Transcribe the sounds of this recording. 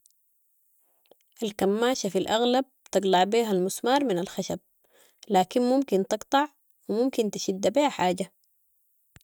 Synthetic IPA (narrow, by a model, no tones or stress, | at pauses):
ʔalkamːaːʃafilʔaɣlab̚t̪ɑɡlɑʕbiːɦalmusmɑːɾˤminalxaʃab̚ | laːkinmumkint̪ɨɡt̪ˤɑʕ | wimumkint̪i̥ʃid̪ːabiːhaħaːɟa